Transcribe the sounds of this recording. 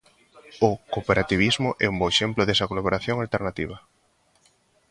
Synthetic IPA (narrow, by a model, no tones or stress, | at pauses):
ʊkopeɾat̪iβ̞izmʊʔɛ̰umbɔeʃemplʊðesɐkolaβ̞oɾaθjoŋalt̪eɾnat̪iβ̞ɐ